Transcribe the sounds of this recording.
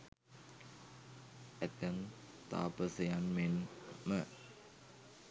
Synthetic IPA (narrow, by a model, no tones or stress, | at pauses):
ɛt̪ən | t̪a̰pəsəjanmenmə